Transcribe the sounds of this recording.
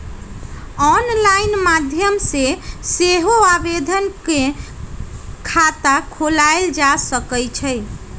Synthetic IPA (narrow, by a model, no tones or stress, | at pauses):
ɔnlainmad̪ʱjəmseseɦoabed̪ʱənke | kʰat̪akʰolaeld͡ʒasəkəjt͡ʃʰəj